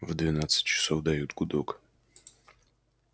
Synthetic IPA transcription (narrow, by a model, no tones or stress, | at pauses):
vd̪vʲɪnat̪sɨ̥t̚ʲt͡ɕɪ̥sovd̪ɐjut̪ɡʊd̪ok